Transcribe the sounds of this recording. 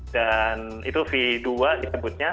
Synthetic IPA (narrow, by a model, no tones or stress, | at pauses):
dan | ḭt̪ufiduadisəbʊt̪̚ɲa